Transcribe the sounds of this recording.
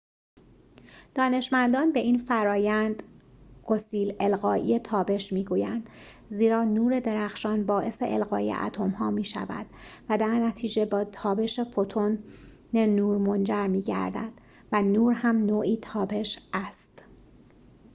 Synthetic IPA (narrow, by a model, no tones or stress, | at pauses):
d̪̥ɒːne̞ʃmænd̪ɒːnbe̞ʔiːnfæɾɒːjænd̪ɢo̞siːlelɣɒːʔḭːet̪ʰɒːbe̞ʃmiːɡuːjænd̪̥ | ziːɾɒːnuːɾe̞d̪e̞ɾæxʃɒːnbɒːʔe̞se̞̰ʔelɣɒ̰ːjḛʔæ̰t̪ʰo̞mhɒːmiːʃæ̰væ̰d̪̥væd̪æɾnæt̪ʰiːd͡ʒe̞bɒːt̪ʰɒːbe̞ʃefo̞t̪ʰon | nenuːɾmo̞nd͡ʒæɾmiːɟæ̰ɾd̪æ̰d̪̥ | vænuːɾɦæmnoːʔiːt̪ʰɒːbe̞ʃʔæst̪